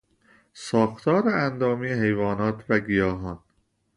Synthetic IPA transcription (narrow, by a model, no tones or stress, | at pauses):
sɒːxt̪ʰɒːɾeænd̪ɒːmijeɦe̞jvɒːnɒːt̪ʰvæɡijɒːɦɒːn